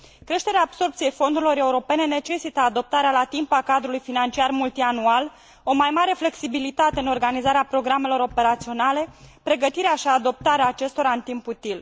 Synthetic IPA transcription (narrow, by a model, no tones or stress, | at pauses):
kɾe̞ʃt̪e̞ɾeaːb̥so̞rpt̪ije̞jfo̞nd̪uɾilo̞ɾe̞uɾo̞pe̞ne̞ne̞t͡ʃe̞sit̪əad̪o̞p̚t̪aɾealat̪impakad̪ɾulujfinant͡ʃiarmult̪ianual | o̞majmaɾe̞fle̞ksibilit̪at̪e̞ɨno̞rɡanizaɾeapɾo̞ɡɾame̞lo̞ɾo̞pe̞ɾat̪sio̞nale̞pɾe̞ɡət̪iɾeaʃiad̪o̞p̚t̪aɾeaːt͡ʃe̞st̪o̞ɾaɨnt̪imput̪il